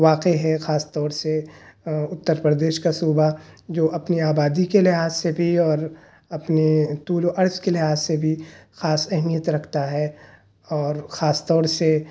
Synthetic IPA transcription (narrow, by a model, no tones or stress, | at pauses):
ʋaːqeɦɛxaːst̪ɔːɾse | ʊt̪ːəɾpɾəd̪eːʃkasuːbad͡ʒoːʔɐpniaːbaːd̪ikelɪɦaːzsebʱiɔːɾ | ɐpnit̪uːloʔɐɾskelɪɦaːzsebʱixaːsɛɦmijət̪ɾɐkʰt̪aɦɛ | ɔːɾxaːst̪ɔːɾse